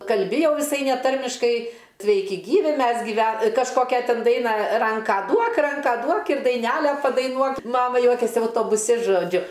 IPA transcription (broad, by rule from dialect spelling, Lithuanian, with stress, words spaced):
kɐlʲˈbʲɪ jɛʊ ʋʲɪˈsɐɪ nʲɛˈtɐrʲmʲɪʃkɐɪ ˈsʲʋʲɛɪkʲɪ ˈɡʲiːʋʲɪ ˈmʲɛs ɡʲɪˈʋʲɛ kɐʃˈkoːkʲɛ ˈtʲɪn ˈdɐɪnɑː ˈrɐŋkɑː ˈduɔk ˈrɐŋkɑː ˈduɔk ɪr dɐɪˈnʲælʲɛ pɐdɐɪˈnuɔk ˈmɑːmɐ ˈjuɔkʲeːsʲɪ ɐʊtoːbʊˈsʲɪ ʒoːˈd͡ʒʲʊ